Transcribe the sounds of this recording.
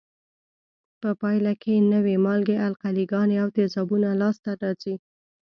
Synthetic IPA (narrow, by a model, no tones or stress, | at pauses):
pəpɑjlakʰenəwemɑlɡealqaliɡɑneawt̪ɪzɑbunalɑst̪aɾɑzi